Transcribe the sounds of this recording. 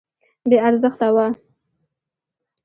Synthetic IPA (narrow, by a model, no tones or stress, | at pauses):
beaɾzəxt̪awa